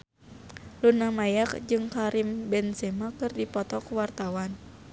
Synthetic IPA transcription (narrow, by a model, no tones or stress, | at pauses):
lunamajak̚d͡ʒɨŋkaɾimbɛnsɛmakɨrdipɔt̪ɔkuwart̪awan